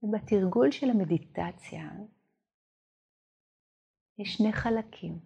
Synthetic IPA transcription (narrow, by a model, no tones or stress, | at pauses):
batiʁɡulʃelhamedit̪at͡sja̰ | jɛʃne̞χalakʰim